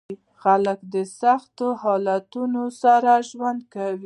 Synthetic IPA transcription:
xaləkd̪əsaxt̪ohɑlat̪unosaɾaʒwand̪̚kawi

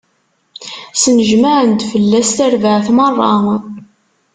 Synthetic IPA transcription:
sənəʒmaʕənd̪fəlːæst̪æɾvəʕθmərˤːɑ

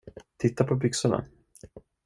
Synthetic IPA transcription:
t̪ʰɪt̪ːapʰɔbʏksʊɳa̰

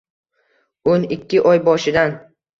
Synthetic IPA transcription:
onɪkʲʰːɪʔɒjbɒʃɪd̪an

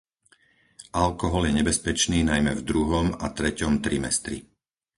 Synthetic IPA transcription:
ʔalkɔɦɔljɛɲɛbɛspɛt͡ʃniːnajmɛvd̪ɾuɦɔma̰t̪ɾɛcɔmt̪ɾimɛ̰st̪ɾḭ

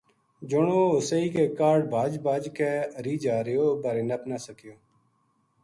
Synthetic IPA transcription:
d͡ʒʊɳoːoːsəiːkeːkaːɾɖbʱaːd͡ʒbaːd͡ʒkeːɾiːd͡ʒaːɾɪjoːbəːɾeːnəpnaːsəkɪjoː

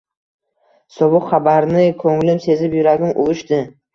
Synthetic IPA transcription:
sɒbʊqχabaɾnɪkʰɵŋlɪmse̞zɪpjʊɾaɡʲɪnʔʊ̰lˠʊʃd̪ɪ

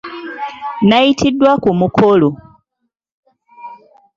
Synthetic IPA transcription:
naitʰidːwakumukʰolo

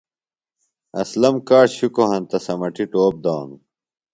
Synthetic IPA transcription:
ɐslɐmkaːʂɕukoɦɐnt̪ɐsɐmɐʈiʈoːb̚d̪aːnu

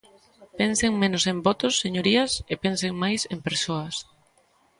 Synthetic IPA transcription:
penseŋmẽnʊsembɔt̪ʊsːeɲoɾiɐsepenseŋmajsempeɾsoɐs

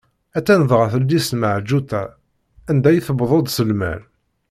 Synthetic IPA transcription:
æt͡sːænəðʁaθəlːisməʕd͡ʒut̪æ | ænd̪æjθbðˤod̪ˤsəlmæ̰l

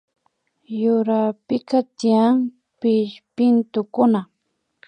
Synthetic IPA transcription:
jʊɾapɪkat̪ɪjaŋ | pɪʃpɪnt̪ʊkʊna

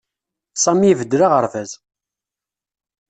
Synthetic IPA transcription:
sˤɑmivəd̪ːɾaʁəɾvæz

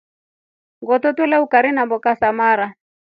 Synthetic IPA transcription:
ŋɡɔtɔtwɛlɛukaɾinambɔkasamaɾa

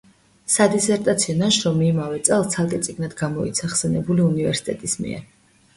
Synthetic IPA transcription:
sad̪isɛɾt̪ʼat̪sʰiɔnaʃɾɔmiːmavɛt̪sʼɛlˠt̪sʰalˠt̪ʼɛt̪sʼiɡnad̪ɡamɔḭt̪sʰaχsɛnɛbuliunivɛɾsi̥t̪ʼɛt̪ʼismḭɛ̰ɾ

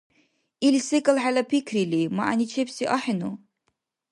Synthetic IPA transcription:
ilsekʼəlħalapʰikʰrilima̰ʔa̰nit͡ʃʰepsiʔaħɪnu

